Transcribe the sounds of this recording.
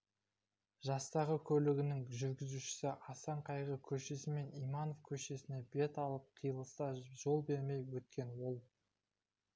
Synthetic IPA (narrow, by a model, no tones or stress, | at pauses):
ʒɑst̪ɑʁəkʲʰɵlɪɡʲɪnɪŋʒʏɾɡʲɪzuʃɪ̥sɪʔɑsɑɴqʰɑjʁəkʲʰɵʃesɪme̞nijmɑno̞fkʲʰɵʃe̞sɪne̞be̞t̪ɑlˠəp̚qʰijəlˠəst̪ɑʒ̥o̞lˠbe̞ɾme̞jwɵt̪̚kʲe̞nwolˠ